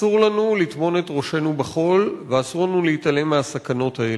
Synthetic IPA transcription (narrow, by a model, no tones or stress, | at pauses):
uʁlanulit̪mo̞ne̞tʁo̞ʃe̞nubeχo̞lveasuʁlanuleitale̞measakano̞thae